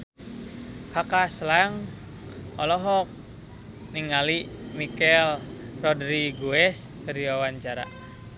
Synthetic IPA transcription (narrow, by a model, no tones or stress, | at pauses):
kakaslaŋ | ɔlɔɦɔk̚ | niŋalimikɛlrɔdɾiɡuɛskəɾiawaɲt͡ʃaɾa̰